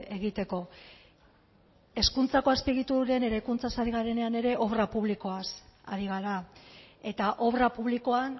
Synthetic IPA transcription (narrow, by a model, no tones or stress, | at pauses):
e̞ɣ̞it̪e̞ko̞ | e̞skunt͡sako̞aspiɣ̞it̪uɾe̞ne̞ɾajkunt͡sasaɾiɣaɾe̞neane̞ɾe̞ʔo̞βrapuβliko̞asa̰ɾiɣ̞aɾae̞t̪aʔo̞βrapuβ̞liko̞an